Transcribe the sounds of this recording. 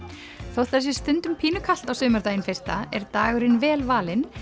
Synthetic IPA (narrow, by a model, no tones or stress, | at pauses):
θowt̪θɛs̬ɪst̪ʏnt̪ʏmpʰiːnʏkʰal̥t̪awsʏːmaɾt̪ajnfejst̪a̰ɛ̰ɾt̪aːɣʏɾɪnvɛːlvaːlɪn